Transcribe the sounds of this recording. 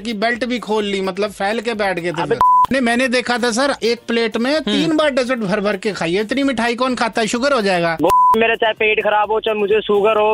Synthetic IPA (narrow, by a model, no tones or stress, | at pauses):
k̬ibɛlʈbʱikʰoːlːimɐt̪̬ləbfʰɛːlkebɛːʈʰket̪ʰt̪enemɛ̃ːned̪eːkʰat̪ʰas̬əɾeːk̚pleːʈmẽt̪iːnbaːɾɖɪzəʈbʱɐɾbʱəɾkekʰaːiɦɛɪt̪nimɪʈʰaːikɔːnkʰaːt̪aɦɛʃʊkəɾɦod͡ʒaːeːɡaːboːmeːɾet͡ʃaːpeːʈkʰɐɾaːbɦot͡ʃəlmʊd͡ʒʱesuːɡəɾɦoː